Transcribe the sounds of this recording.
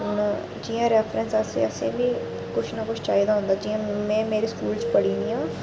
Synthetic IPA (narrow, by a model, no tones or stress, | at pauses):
ʊn | d͡ʒiːãːɾɛːpʰɾənsəsḛːəsḛ̃ːbiː | kʊt͡ʃʰnakʊt͡ʃʰt͡ʃaːid̪aːɦʊ̃nd̪aːd͡ʒiːãːmɛ̃ːmeːɾiːskuːlt͡ʃpəɽiːniːãː